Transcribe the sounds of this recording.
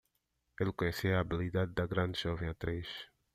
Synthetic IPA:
elkoɲesiaːbilid̪ad̪̚d̪ɐɡɾãnd̪ʒɔvẽat̪ɾeʃ

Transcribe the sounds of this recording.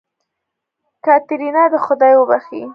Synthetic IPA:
kɑt̪ɪɾinɑd̪əxʊd̪ɑjwəbaxḭ

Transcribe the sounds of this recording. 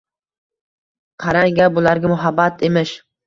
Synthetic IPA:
qʰɑɾaŋɡʲabʊlaɾɡʲamʊɦabːat̪ʰemɪʃ

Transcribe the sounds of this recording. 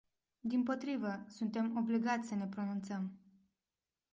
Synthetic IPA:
d̪impo̞t̪ɾivəsunt̪e̞mo̞bliɡat̪sʲsəne̞pɾo̞nunt̪səm

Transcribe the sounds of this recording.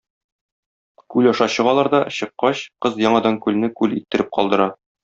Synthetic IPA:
kʉlɒʃɑɕɤ̆ʁɑlˠɑɾd̪ɒɕɤ̆qːɑɕqɤzjɒɴɑd̪ɑŋkʉlnɘkʉlit̪ːɘ̆ɾɘp̚qɒ̰lˠd̪ɤ̆ɾɑ

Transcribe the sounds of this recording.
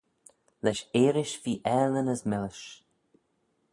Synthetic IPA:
lɛʃeːɾɪʃviːʔɛlənəzmɪlɪʃ

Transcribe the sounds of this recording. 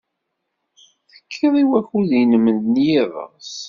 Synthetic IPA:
θə̥kʰːəðˤiwæçuðinəmənd̪njiðˤə̰ʁs

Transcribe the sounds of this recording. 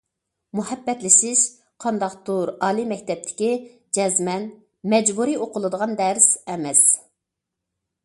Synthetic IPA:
muhɛbːɛt̪lɪʃɪʃ | qʰɑnd̪ɑqt̪uɾɑːlˠimɛkʲt̪ʰɛp̚t̪ʰɪ̥kʲi | d͡ʒɛzmɛn | mɛd͡ʒbuɾioqʰʊlˠɨd̪əʁɑnd̪ɛɾsɛmɛs

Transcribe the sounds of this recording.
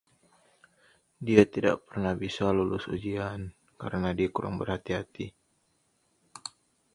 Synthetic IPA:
diat̪ida̰ʔpərnahbisalulʊsud͡ʒian | ka̰ɾənadiakuɾa̰ŋbərhat̪iɦat̪i

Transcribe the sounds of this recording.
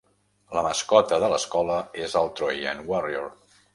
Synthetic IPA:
ləməskɔt̪əðələskɔləezəlˠt̪ɾojə̰nwɔrioɾ

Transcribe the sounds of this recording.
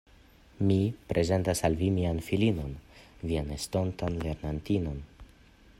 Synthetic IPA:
mipɾʔe̞ze̞ntasalvimianfilino̞nvianesto̞ntanle̞ɾnantino̞n

